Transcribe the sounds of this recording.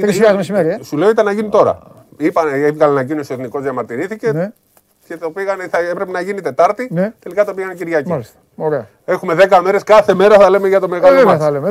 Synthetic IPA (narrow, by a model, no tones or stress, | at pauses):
ɾisɐzmesimeɾiesule̞oit̪ɐnɐʝinit̪o̞ɾɐ̰ | ipɐevɣɐlɐnɐɟinosoeθniko̞zðjɐmɐɾt̪iɾiθice̞ | ce̞t̪opiɣɐnθɐepɾe̞penɐʝinit̪e̞t̪ɐɾt̪inet̪e̞likɐt̪o̞piɣɐnociɾʝɐcilist̪ɐ̥ | oɾeɐ | e̞xume̞ðe̞kɐme̞ɾe̞skɐθe̞me̞ɾɐθɐle̞meʝɐt̪o̞me̞ɣɐloemɐθɐleme